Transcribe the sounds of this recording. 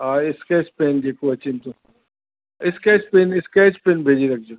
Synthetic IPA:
aːɪskaɪspeːnd͡ʒekoɐt͡ʃɪnt̪ʰõ | ɪskaːɪspeːnɪskaɪspeːnbʱeːd͡ʒiɾɐk̚ʰd͡ʒo

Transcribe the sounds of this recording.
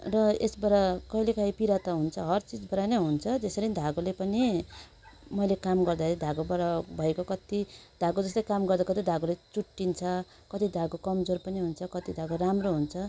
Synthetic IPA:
rʌesbaɾakʌjlekʰʌɦipiɾat̪aɦunt͡sʰʌɦʌrt͡sid͡zbʌɾanʌɦunt͡sʰʌd͡zesʌɾinid̪ʱaɡolepʌni | mʌjlekamɡʌrd̪aɾid̪ʱaɡobʌɾʌbʱʌekokʌt̪id̪̥ʱaɡod͡zʌslajkamɡʌrd̪akʌt̪id̪ʱaɡolet͡suʈːint͡sʰʌ | kʌt̪id̪ʱaɡokʌmd͡zorpʌniɦunt͡sʰʌkʌt̪id̪ʱaɡoramroɦunt͡sʰʌ

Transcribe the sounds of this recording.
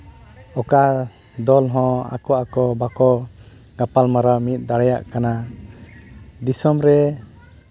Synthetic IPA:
ɔka | d̪ɔlɦɔ̃a̰kɔʔakɔbakɔ | ɡapalmaɾamit̪̚ˀd̪aɽɛja̰ʔkana | d̪isɔmɾɛ

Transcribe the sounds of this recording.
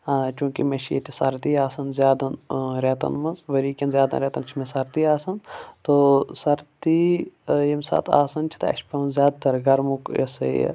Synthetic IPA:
at͡ʃũːkimɐʃʰiḛt̪isɐɾt̪iːaːsɐnzʲjaːd̪ɐnɾeːt̪ɐ̰nmɐnzʋɐɾiːkʲɐnzʲjaːd̪a̰ɾʲeːt̪ɐnt͡ʃʰimẽsɐɾt̪iːaːsɐnt̪osɐɾt̪ijemsa̰ːt̪ʰa̰ːsɐnt͡ʃʰi̥t̪ɐɐ̰ʃpɐmɐnzʲjaːd̪t̪ɐɾɡɐɾmukḛsḛ

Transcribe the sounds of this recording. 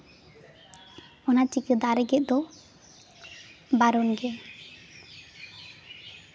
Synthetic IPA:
ɔnat͡ʃikəd̪aɾɛɡɛʔ̚d̪ɔ | baɾɔnɡɛ

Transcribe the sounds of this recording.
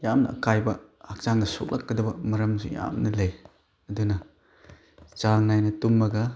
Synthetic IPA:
jamnɐ̰ɐ̰kajbɐhak̚t͡ʃaŋnɐso̰k̚lʔakːɐdɐbɐmɐɾɐmsṵja̰mnɐlɐj | ɐdunɐ | t͡ʃaŋnajnɐtumːɐɡɐ

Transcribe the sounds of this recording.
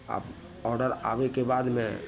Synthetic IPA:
a̰b | ɔːɾɖəɾa̰ːʋekebaːd̪mḛ̃

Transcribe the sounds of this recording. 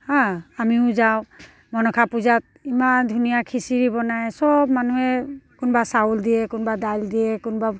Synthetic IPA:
hãamiʊ̃zaʊ̃ | mɔnɔkʰapuzat̚imand̪ʱunijakʰisiɹibɔnajsɔb̚manuɦɛkʊnbasauld̪ijɛkʊnbadajldijɛkʊnba

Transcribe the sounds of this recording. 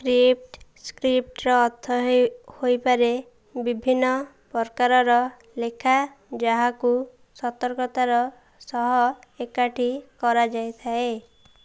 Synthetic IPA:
kɾip̚ʈskɾip̚ʈɾɔːt̪ʰːɔɦhojpaɾe | bibʱinːɔ | pɔɾkaɾɔɾɔ | lekʰa | d͡ʒaɦaku | sɔt̪ɔɾkɔt̪aɾɔ | sɔɦɔekaʈʰikɔɾad͡ʒajt̪ʰae

